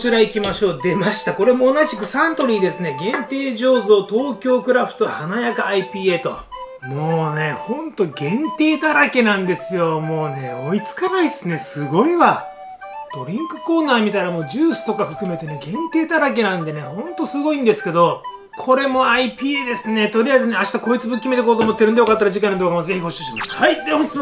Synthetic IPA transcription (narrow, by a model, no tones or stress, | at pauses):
t͡ɕiɾaikʲimaɕo̞ːd̪e̞maɕi̥t̪ako̞ɾe̞mo̞ːnaʑikɯ̟sãnt̪o̞ɾʲiːd̪e̞sɨne̞ɡẽ̞nt̪e̞ːʑo̞ːzo̞ːt̪o̞ːkʲo̞ːkɯ̟ɾaɸɯ̥t̪o̞hanajakɯaipʲiːe̞ːt̪o̞ | mo̞ːne̞hõ̞nt̪o̞ɡẽ̞nt̪e̞ːt̪aɾake̞nãnd̪e̞sɨjo̞mo̞ːne̞oit͡sɨ̥kanaisɨne̞sɨɡo̞iβa | d̪̥o̞ɾʲĩŋkɯ̟ko̞ːnaːmʲit̪aiɾamo̞ːd͡ʑɨːsɨ̥t̪o̞kaɸɯ̟kɯ̟me̞t̪e̞ne̞ɡẽ̞nt̪e̞ːt̪aɾake̞nãnd̪e̞ne̞hõ̞nt̪o̞sɨɡo̞ĩnd̪e̞sɨ̥ke̞d̪o̞ | kʰo̞ɾe̞mo̞aipʲiːeːd̪e̞sɨne̞t̪o̞ɾʲiaizɨne̞aɕi̥t̪ako̞ːit͡sɨbɯkʲːimeekoːt̪oːmot̪ːeɾɯ̟nd̪ejokat̪ːaɾad͡ʑikãnad̪oɡamoze̞çiho̞ɕɨːɕimaɕahait̪ːeo